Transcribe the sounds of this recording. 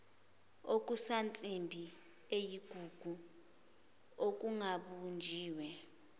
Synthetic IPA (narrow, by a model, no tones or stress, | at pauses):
ok̬ʼusant͡sʼimbʱi | ejiɡ̥ʱuɡ̥ʱu | ok̬ʼuŋaɓund͡ʒʱiːwɛ